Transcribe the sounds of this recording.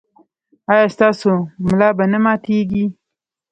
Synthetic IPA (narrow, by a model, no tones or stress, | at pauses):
ɑːjɑst̪ɑːsomlɑːbanamɑt̪eɡi